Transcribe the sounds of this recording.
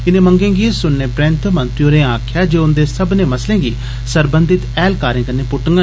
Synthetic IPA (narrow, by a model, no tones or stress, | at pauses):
ɪnẽːmə̃ŋɡẽːɡiːsʊnnẽːpɾɛ̃ːnt̪mənt̪ɾijõːɾẽːãːkʰjaːd͡ʒeːʊnd̪eːsəbnẽːməslẽːɡiː | səɾbənd̪ɪt̪ɛːlkaːɾẽːkənẽːpʊʈəŋɡə